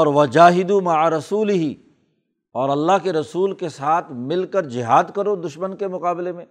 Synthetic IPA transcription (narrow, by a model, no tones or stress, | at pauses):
ɔːɾʋɐd͡ʒaːɦɪd̪umɐʕaɾɐsuːlɪɦi | ɔːɾɐlːaɦkeɾɐsuːlkesaːt̪ʰmɪlkəɾd͡ʒɪɦaːd̪kɐɾod̪ʊʃmənkemʊqaːbɪlemẽː